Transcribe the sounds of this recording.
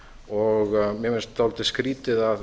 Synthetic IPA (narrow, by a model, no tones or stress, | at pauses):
ɔɣmjɛmɪnst̪awlt̪ɪskɾiːt̪ɪðað